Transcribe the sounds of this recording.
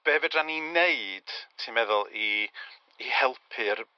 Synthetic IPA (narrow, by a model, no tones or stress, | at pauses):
b̥ɛːvɛdranineɨd̥sʰinmɛðʊlˠiː | hɛlˠpʰɨr